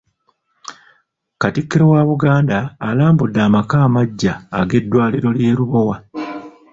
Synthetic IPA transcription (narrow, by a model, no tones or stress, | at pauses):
katikːiɾowaβuɡaːndaːlaːmbudːaːmakaːmaɟːaːɡe̞dːwaːliɾo̞lje̞ːɾuβo̞wa